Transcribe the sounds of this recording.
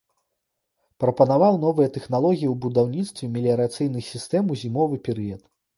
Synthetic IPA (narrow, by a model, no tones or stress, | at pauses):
pɾɐpɐnavawnɔvɨjɛt̪ɛxnalˠɔɣʲijiwbud̪awnʲit̪st̪vʲɛmʲelʲiɐɾat̪sɨjnɨxsʲist̪ɛmuzʲimɔvɨpʲɛɾɨjɐt̪